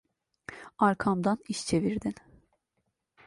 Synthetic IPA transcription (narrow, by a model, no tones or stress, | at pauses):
aɾkʰamd̪aniʃt͡ʃʰe̞viɾd̪in